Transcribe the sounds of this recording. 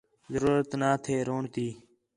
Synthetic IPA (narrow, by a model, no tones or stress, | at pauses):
zəɾuːɾət̪naːt̪ʰeːɾoːɳt̪iː